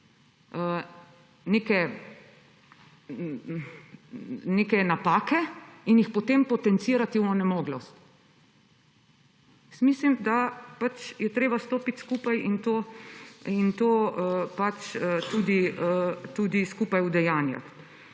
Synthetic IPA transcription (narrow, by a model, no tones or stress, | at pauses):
ə | nekɛ | nekɛnapaːkɛinjixpɔt̪empɔt̪ɛnt̪siːɾat̪iwɔnɛmoːɡlɔst̪ | smiːslimd̪apat͡ʃjɛt̪ɾeːbast̪oːpit̪skuːpajint̪o | int̪oːpat͡ʃət̪uːd̪iət̪uːd̪iskuːpajud̪ɛjaːnja̰t̪